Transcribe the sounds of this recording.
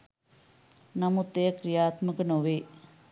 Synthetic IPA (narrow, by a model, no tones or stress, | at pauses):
nɐmut̪ːejɐkɾijaːt̪mɐkɐnoʋeː